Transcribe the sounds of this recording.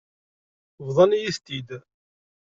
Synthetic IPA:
vðˤɑnijiθt̪id̪

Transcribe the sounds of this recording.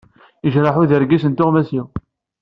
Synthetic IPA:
əʒɾaħuðəɾɡisənt̪ʊʁmæsiw

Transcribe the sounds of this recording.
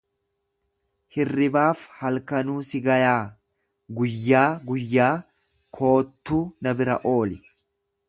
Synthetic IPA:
hɪrːɪbaːfhɐlkɐnuːsɪɡɐjaː | ɡʊjːaːɡʊjːaː | kʰo̞ːt̪ːuːnɐbɪɾɐ̰ʔo̞ːlɪ

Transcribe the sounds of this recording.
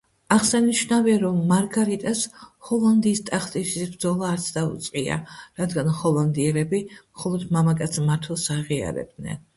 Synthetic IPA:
aʁsaniʃnaviaɾɔmːaɾɡaɾit̪ʼashɔlˠand̪iːst̪ʼaχʰt̪ʼisisbɾd̪zɔlˠaːɾt̪sʰd̪aṵt̪sʼqʼia̰ɾad̪ɡanχɔlˠand̪iɛlɛbimχɔlˠɔd̪mamakʼat̪sʰmaɾt̪ʰwɛlˠsaʁia̰ɾɛ̰b̚d̪nɛ̰n

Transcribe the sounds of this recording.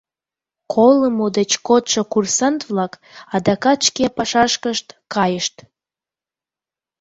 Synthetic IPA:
kʰolˠəmud̪ət͡ɕkot̪ʃəkursɑnt̪vlɑk | ɑd̪ɑkɑt̪ʃkepɑʃɑʃkəʃt̪kɑjəʃt̪

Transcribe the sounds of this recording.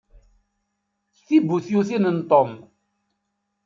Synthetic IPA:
θibːuθjuθinənt̪ˤom

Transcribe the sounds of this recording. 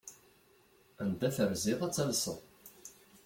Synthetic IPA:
ænd̪æθəɾzɪʁæt͡sːælsə̰ʁ

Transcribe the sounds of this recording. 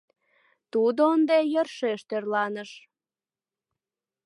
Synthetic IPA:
t̪ud̪oənd̪ejərʃeʃt̪ørlɑnəʃ

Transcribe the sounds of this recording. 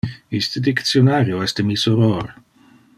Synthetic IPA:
ist̪əd̪ik̪sjonaɾjoɛstəmisoɾoɾ

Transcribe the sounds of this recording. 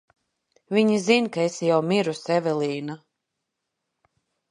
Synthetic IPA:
vʲiɲizinkaesjawmiɾusɛvɛlˠiːna

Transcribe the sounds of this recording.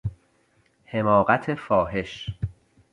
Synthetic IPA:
he̞mɒːɣæt̪ʰe̞fɒːɦe̞ʃ

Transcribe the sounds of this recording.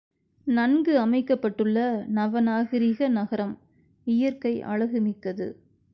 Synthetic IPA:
nɐnɡɯɐmɐɪkːɐpːɐʈːɯɭːɐnɐʋɐnaːɣɪɾɪɣɐnɐɣɐɾɐm | ɪjɐɾkɐɪʔɐ̰ɻɐɣɯmɪkːɐðɯ̰

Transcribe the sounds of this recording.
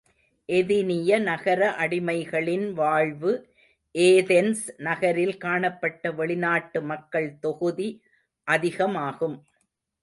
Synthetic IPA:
ʔɛðɪnɪjɐnɐɣɐɾɐʔɐɽɪmɐɪɣɐɭɪnʋaːɻʋɯ | ʔeːðɛnsnɐɣɐɾɪlkaːɳɐpːɐʈːɐʋɛɭɪnaːʈːɯmɐkːɐɭt̪ɔɣɯði | ʔɐðɪɣɐmaːɣɯm

